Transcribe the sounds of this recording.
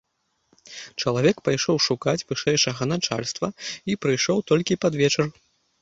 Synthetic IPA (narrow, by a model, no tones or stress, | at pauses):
t͡ʂɐlˠavʲɛkpajʂɔwʂukat͡sʲvɨʂɛjʂɐɣɐnat͡ʂa̰lʲst̪vɐipɾɨjʂɔwt̪ɔlʲkʲipad̪vʲɛt͡ʂɐr